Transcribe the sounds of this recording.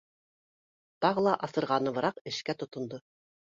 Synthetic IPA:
t̪ɑʁɤ̆lˠɑʔɑsɤ̆ɾʁɑnɤ̆βɤ̆ɾɑqɘ̆ʃkæt̪ŏt̪ŏnd̪o

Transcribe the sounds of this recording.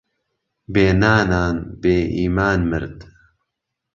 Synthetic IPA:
beːnaːnaːnbeːʔiːmaːnmɨ̰ɾd̪

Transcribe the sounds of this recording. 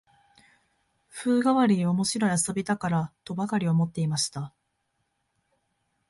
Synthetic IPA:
ɸɯ̟ːɡaβaɾʲiomo̞ɕiɾo̞aso̞bʲit̪akaɾat̪o̞bakaɾʲio̞mo̞t̪ːe̞imaɕi̥t̪a

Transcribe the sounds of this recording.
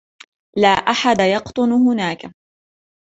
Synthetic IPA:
laːʔaħad̪ajɑqt̪ˤʊnhʊnaːka

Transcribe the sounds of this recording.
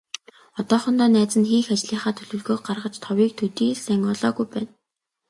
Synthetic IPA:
ɔt̪ɔːχɞ̆nt̪ɔːnæːt͡sə̆nxiːxat͡ɕɮiːχaːt̪ʰɵɮɵ̆ːɮɣoːk̚ɢarʁə̆t͡ɕt̪ʰɔwiːk̚t̪ʰɵt̪iːɮsæŋɔːɮɔːɣujpæːn

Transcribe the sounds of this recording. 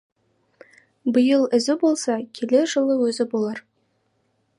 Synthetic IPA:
bəjəlˠɪ̆zɪbolˠsɑkʲʰelʲeʒɤ̆lˠəwɵzɪbolˠɑɾ

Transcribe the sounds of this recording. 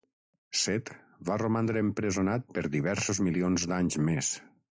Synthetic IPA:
sɛt̪ | βaromand̪ɾəːmpɾezonat̪̚pəɾðiβɛɾsozmilionzd̪aɲzmes

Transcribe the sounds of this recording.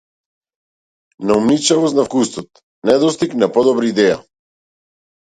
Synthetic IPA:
naumnit͡ʃavɔsnafkust̪ɔt̪̚ | nɛd̪ɔst̪iknapɔd̪ɔbɾaid̪ɛja

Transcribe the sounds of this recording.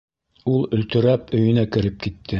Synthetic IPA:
ulˠɵ̆lt̪ɵ̆ɾæpɵ̆jɵ̆nækɘ̆ɾɘp̚kit̪ʰːɘ

